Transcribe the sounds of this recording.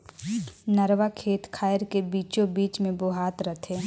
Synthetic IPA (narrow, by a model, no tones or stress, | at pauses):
nɐɾʋakʰeːt̪kʰaːəɾkebiːt͡ʃõbiːt͡ʃmẽboɦaːt̪ɾət̪ʰeː